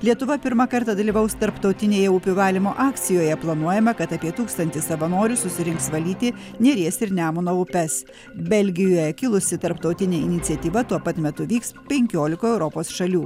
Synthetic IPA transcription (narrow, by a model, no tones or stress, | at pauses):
lʲiɛt̪ʊʋɐpʲɪɾmɐkɐɾt̪ɑd̪ɐlʲiːʋɐʊst̪ɐɾpt̪ɒʊt̪ʲɪnʲeːjɛʊpʲʊʋɑːlʲɪmoːʔɑːkt̪sʲɪjoːjɛplˠɐnuɔjɛmɐkɐt̪ɑpʲiɛt̪uːkst̪ɐnʲt̪ʲɪsɐʋɐnoːɾʲʊsʊsʲɪɾʲɪŋksʋɐlʲiːt̪ʲɪ | nʲeːɾʲiɛsɪɾnʲæːmʊnoːʊpʲɛs | bʲɛlʲɡʲɪjoːjɛkʲɪlˠʊsʲɪt̪ɐɾpt̪ɒʊt̪ʲɪnʲeːɪnʲɪt̪sʲiɛt̪ʲiːʋɐt̪uɔpɐt̪mʲɛt̪ʊʋʲiːkspʲɛŋʲkʲoːlʲɪkoːɛʊɾɔpoːsʃɐlʲuː